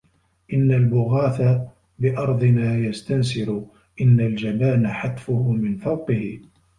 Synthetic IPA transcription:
ʔɪnːalbʊɣaːθa | bɪʔɑɾˤd̪ˤɨmaːjast̪ansɪɾʊ | ʔɪnːald͡ʒabaːnaħat̪fʊhʊmɪnfɑwqɪhɪ

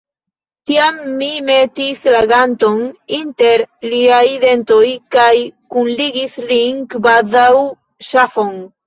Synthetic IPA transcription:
t̪iamːimet̪islaɡant̪onint̪eɾliajðent̪ojkajkunliɡisliŋkbaðaw | ʃafoŋ

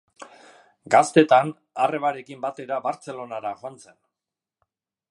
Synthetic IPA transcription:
ɡast̪e̞t̪an | are̞βaɾe̞kimbat̪e̞ɾaβaɾt͡se̞lo̞naɾaʝoant͡se̞n

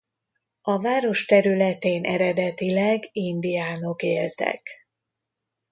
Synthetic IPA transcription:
ɒvaːɾo̞ʃt̪ɛɾylɛt̪eːnʔɛɾɛd̪ɛt̪ilɛɡind̪ijaːno̞keːlt̪ɛ̰k

